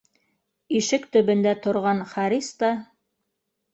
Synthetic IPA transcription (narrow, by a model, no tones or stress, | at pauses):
iʃɘkt̪ɵ̆βɵ̆nd̪æt̪ŏɾʁɑnχɑɾist̪ɑ